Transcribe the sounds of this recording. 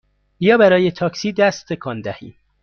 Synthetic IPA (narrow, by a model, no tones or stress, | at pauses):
jɒːbæɾɒːjet̪ʰɒːksiːd̪æst̪ʰːe̞kʰɒːnd̪æhiːm